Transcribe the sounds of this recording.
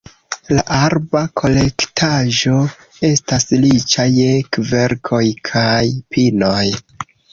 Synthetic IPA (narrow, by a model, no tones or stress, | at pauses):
laʔaɾbakʰo̞lektʰaʒo̞ | e̞staslit͡ʃajekve̞ɾkʰo̞jkʰajpino̞j